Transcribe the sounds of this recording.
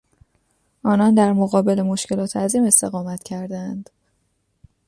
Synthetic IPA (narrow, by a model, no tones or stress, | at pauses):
ʔɒːnɒnd̪æɾmoɣɒːbe̞le̞mo̞ʃcʰe̞lɒːt̪ʰeæzime̞st̪e̞ɣɒːmæt̪ʰcʰæɾd̪æænd̪̥